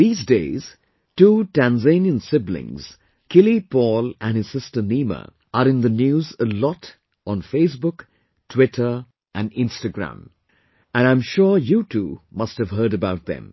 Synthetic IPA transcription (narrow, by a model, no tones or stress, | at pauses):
ðiːzdeɪz̥ | tuːtæ̃nzẽnjə̃nsɪblɪ̰̃ŋz̥ | kʰɪlipɔlæ̃nhɨz̥sɪstəniːmə̰ | ʔəɾɪ̃nðənjuːzəlɔt | ʔɔ̃nfeɪs̬bʊk | tʰwɪtʰə˞ | ʔæ̃nɪ̃nstəɡɹæ̰̃m | ɨ̃nãɪ̃mʃɔɹjutʰumʌst̚hɨv̥ɦɜ˞ɾəbaʊt̪̚ðɛ̰̃m